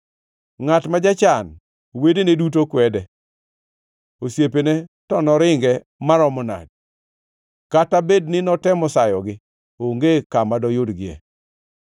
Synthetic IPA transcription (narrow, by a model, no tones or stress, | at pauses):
ŋatmad͡ʒat͡ʃan | wedenedutokwɛdɛ | osjepenetɔnɔɾɪŋɡɛ | maɾɔmɔna̰d̚ | katabednɪnɔtɛmɔsajɔɡɪ | oŋɡekamadɔjodɡɪɛ̰